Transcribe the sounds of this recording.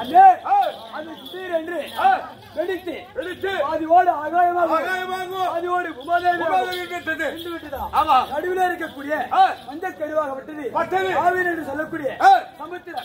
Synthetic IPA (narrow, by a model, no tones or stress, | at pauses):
ɐndeɐðɯsʊɽiːɾɛndrɯ | ʋɛɽɪt̪ːɯɛɽɪt̪ːaːðɪʋoːɽɯaːɣaːjɐmaːɣɐːɣaːjɐmaːɣoaːðɪʋoːɽɯʊmaːɣaːjɐmmaɣɐɣɐkːɐɽt̪ːɐðɯɪɳɖɯʋɪʈːɯt̪ãːaːmaːnɐɽɯʋɪleːɪɾɯk̬ːɐkːuːɽɪjɐkɐɲd͡ʒɐk̪ːɛɽɯʋaːɣɐʋɐʈːɐðɯpɐt̪ːɐaːʋiːɾɛndrɯsɔlːɐkːuːɽɪjɐsɐmɐt̪ːɪɾɐ